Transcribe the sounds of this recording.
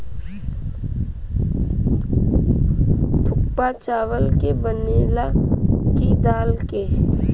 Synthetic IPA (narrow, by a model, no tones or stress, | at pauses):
t̪ʰʊk̚pat͡ʃaːʋəlkebəneːlakid̪aːlke